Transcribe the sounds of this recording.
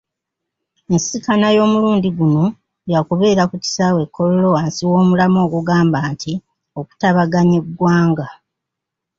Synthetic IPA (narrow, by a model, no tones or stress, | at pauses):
ensikanajo̞ːmuluːndiɡuno̞ | jakuβe̞ːɾakuti̥sawe̞kʰːo̞lolo̞waːnsiwo̞ːmulamo̞ːɡuɡaːmbaːntʰi | oku̥taβaɡaɲe̞ɡwaːŋɡa